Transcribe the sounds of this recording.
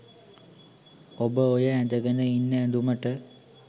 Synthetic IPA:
obəojəænd̪əɡənəinːəænd̪uməʈə

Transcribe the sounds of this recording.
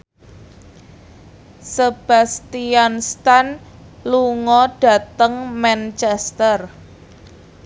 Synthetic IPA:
səb̥ä̤st̪ianst̪an | luŋɔɖ̥a̤t̪əŋmant͡ʃɛst̪ər

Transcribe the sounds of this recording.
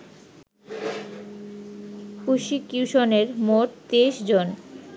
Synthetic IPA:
kuʃikjuʃoneɾmoʈt̪eʃd͡ʑon

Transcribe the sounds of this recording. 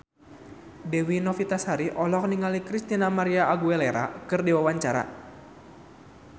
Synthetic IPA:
dɛwinɔfit̪ashaɾiʔɔlɔk̚niŋalikɾist̪inamaɾiaʔːɡuɛleɾa̰kɨrdiwawaɲt͡ʃaɾa̰

